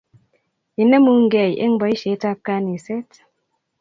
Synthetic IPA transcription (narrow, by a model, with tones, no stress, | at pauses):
i˨nə˦mu˦ŋ˦ɡɛ˨jʔḛ˦ŋ˦bɔ˨˦i˦ʃe˨˦ta˦p̚ka˦ni˨se˦t